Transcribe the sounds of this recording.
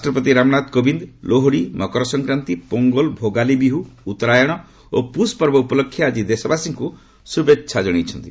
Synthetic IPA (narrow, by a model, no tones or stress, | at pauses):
ɾasʈɾɔpɔt̪iɾamɔnat̪kobind̪loɦoɽimɔkɔɾɔsɔŋkɾant̪ipoŋɡɔlbʱoɡalibiɦuːt̪ɔɾajɔɽ̃ɔ | opuspɔɾbɔupɔlɔkʰːjaad͡ʒid̪esɔbasiŋku | subetːʃʰad͡ʒɔɽ̃it͡ʃʰɔnt̪i